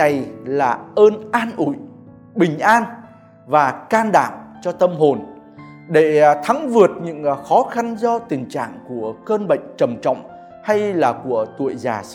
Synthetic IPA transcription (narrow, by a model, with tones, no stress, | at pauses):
a˨˩jlaː˨˩ʔəː˧nʔaː˧nʔṵ˧˩˨j | ɓï˨˩ŋ̟ʔaː˧n | vaː˨˩kaː˧nɗa̰ː˧˩˨ŋt͡ɕɔ˧t̪ə˧mɦo˨˩n | ɗe˧˩t̪ʰa˨˦ŋvɨ˨˩ət̚ɲɨ̰˧˥ŋxɔ˨˦xa˧nzɔ˧t̪ï˨˩ŋ̟t͡ɕa̰ː˧˨ŋku˧˩əkəː˧nɓə̰˧˨jŋ̟t͡ɕə˨˩mt͡ɕɔ̰˧˨wŋ͡m | ha˧jlaː˨˩ku˧˩ət̪ṵ˧˨əjzaː˨˩